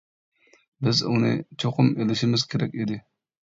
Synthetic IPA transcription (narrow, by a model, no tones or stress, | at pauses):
bɪzunɨ̰t͡ʃʰoqʰʊmelɪʃɪmɪz̥kʲʰeɾɛkʲid̪ɪ